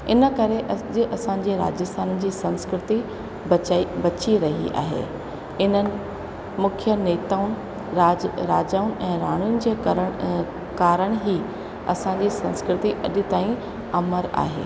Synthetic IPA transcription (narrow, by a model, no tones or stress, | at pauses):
ɪnə̆kɐɾeʔɐd͡ʑɪʔɐsãɲ̆d͡ʑeːɾa̰ːd͡ʑəst̪ʰaːnəd͡ʑiːsɐ̃nskɾɪt̪i | bɐt͡ɕiɾɐɦḭʔa̰ːɦḛː | ɪnənɪ̆ | mʊkʰjəneːt̪aːʊnɪ̆ | aːɾaːd͡ʑaːʊnɪ̆ʔɛ̃ːɾaːɽ̃ujʊnɪ̆d͡ʑeːɾə | kaːɾəɽ̃ɦiː | ɐ̰sãɲd͡ʑiːsɐ̃nskɾɪt̪iʔɐɗɪt̪aːĩ | ɐməɾa̰ːɦḛː